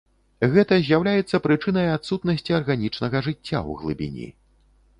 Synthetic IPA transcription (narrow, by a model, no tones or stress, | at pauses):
ɣɛt̪ɐzʲjawlʲajɛt̪sːɐpɾɨt͡ʂɨn̪ɐjat̪sut̪nɐsʲt͡sʲiɐrɣanʲit͡ʂnɐɣɐʐɨt͡sʲːa̰w̰ɣlˠɨ̰bʲḭnʲḭ